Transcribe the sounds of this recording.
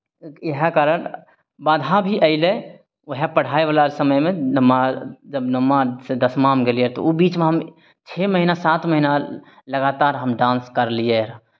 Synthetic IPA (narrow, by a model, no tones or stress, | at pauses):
ɦɛkaːɾən | bãːd̪ʱabʱiʔəɪle | əɦepəɽ̤aːeʋaːlasəməjmẽnəmːad͡ʒəbnəmːased̪əsmaɦmɡeliet̪o̰ubiːt͡ʃmẽɦəm | t͡ʃʰeməɦinasaːt̪məɦina | ləɡaːt̪aːɾɦəmɖãːnskəɾlieɾa